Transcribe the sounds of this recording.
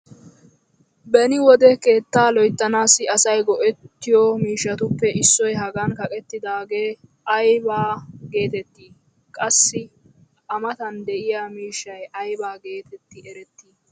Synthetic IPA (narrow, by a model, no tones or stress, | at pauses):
bɛnɪwɔd̪ɛke̞ːt̪ːaːlɔjt̪ːɐnaːsɪɐsɐjɡɔʔɛt̪ːɪjɔmiːʃːɐt̪ʊpːɛʔɪsːɔjɦɐɡɐnkɐkʼɛt̪ːɪd̪aːɡe̞ː | ʔɐjbaːɡe̞ːt̪ɛt̪ːiː | kʼɐsːɪ | ʔɐmɐt̪ɐnd̪ɛʔɪjaːmiːʃːɐjʔɐjbaːɡe̞ːt̪ɛt̪ːɪɛɾɛt̪ːiː